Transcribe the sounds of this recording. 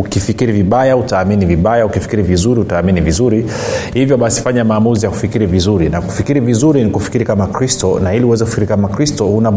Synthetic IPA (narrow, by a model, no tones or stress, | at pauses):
ukifikiɾiviɓajautaːminiviɓajaukifi̥kiɾivizuɾiutaːminivizuɾi | hivjɔɓasi̥faɲamaːmuzijaku̥fikiɾivizuɾinaku̥fikiɾivizuɾinikufi̥kiɾikamakɾistɔnahiliuwɛzɛkufikiɾikamakɾistɔhuna